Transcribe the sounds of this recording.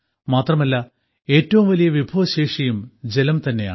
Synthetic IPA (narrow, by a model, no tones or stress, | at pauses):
maːt̪rɐmɐlːɐ | e̞ːtːɐʋumʋɐlijɐʋibʱɐʋɐɕeːʂɐjumd͡ʑe̞lɐmt̪ɐnːe̞ja̰ː